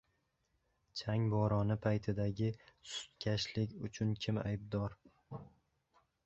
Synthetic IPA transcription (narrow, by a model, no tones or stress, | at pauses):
t͡ʃʰaŋbɒɾɒnɪpʰajt̪ʰɪd̪aɡʲɪsʊ̥t̪̚kʲʰaʃlɪkʲʊt͡ʃʰʊnkʲʰɪma̰jb̚d̪ɒɾ